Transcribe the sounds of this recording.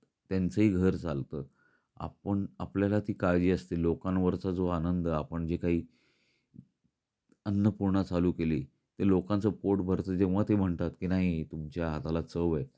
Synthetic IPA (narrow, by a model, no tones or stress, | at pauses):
t̪jant͡səɦiːɡʱəɾt͡sa̰lt̪əː | a̰pəɳa̰pljalat̪iːkaɾd͡ʑiːəst̪ilokãnʋəɾt͡sad͡zoanənd̪əapəɳd͡ʑekaɦiː | ənːəpuɾɳət͡saluːkeliː | t̪elokant͡səpoʈbʱəɾt̪əːd͡ʑeʋat̪em̤əɳt̪at̪kiːnaɦit̪umt͡ɕjaɦat̪alat͡səʋe